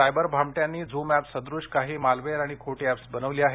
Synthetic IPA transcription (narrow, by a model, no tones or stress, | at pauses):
ajbəɾbʱamʈjãnːiːd͡zumæpsəd̪ɾuɕkaɦiːmalʋeɾaɽ̃ikʰoʈiæpsbənəʋliːaɦe